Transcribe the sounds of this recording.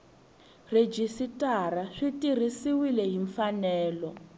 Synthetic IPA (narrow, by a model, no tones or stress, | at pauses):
red͡ʒisitʼaɾaʂitirisiwilɛɦiɱfanɛːlɔ